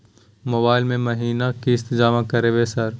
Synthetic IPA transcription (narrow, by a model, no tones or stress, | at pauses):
moːbaːɪlmẽmɐɦiːnakiɪst̪d͡ʒaːmakɐɾeʋesɐɾ